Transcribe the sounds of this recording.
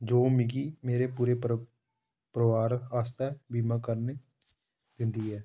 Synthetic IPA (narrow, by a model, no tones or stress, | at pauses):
d͡ʒoːmɪɡiːmeːɾeːpuːɾeː | pɾəʋaːɾaːst̪ɛːbiːmãːkəɾneː | d̪ɪnd̪iːɦɛː